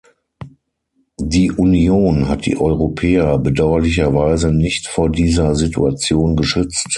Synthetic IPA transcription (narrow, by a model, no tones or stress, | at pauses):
diːʔunoːnɦat̚d̥ḭːʔɔʏʁopʰɛːɐbədaʊɐlɪç̬ɐvaɪzənɪçtfoːɐdiːzɐzɪtṵat͡sjoːnɡəʃʏt͡st